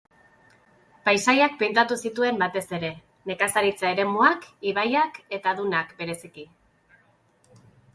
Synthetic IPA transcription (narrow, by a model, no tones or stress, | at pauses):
pajsajak̚pe̞nt̪at̪usit̪ue̞mbat̪e̞se̞ɾe̞ | ne̞kasaɾit͡sae̞ɾe̞muakiβajake̞t̪aðunakbe̞ɾe̞siki